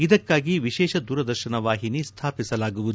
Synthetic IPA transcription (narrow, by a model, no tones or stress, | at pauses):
id̪ɐkːaːɡiʋiʃɛːʃɐd̪uːɾɐd̪ɐɾʃɐnɐʋaːɦinist̪ʰaːpisɐlaːɡuʋud̪u